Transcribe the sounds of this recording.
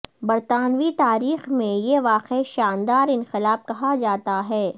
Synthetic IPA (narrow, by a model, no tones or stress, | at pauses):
bɐɾt̪aːnʋit̪aːɾiːxmẽjeʋaːqeeʃaːnd̪aːɾɪ̃nxɪlaːf̚kɐɦad͡ʒaːt̪aɦɛː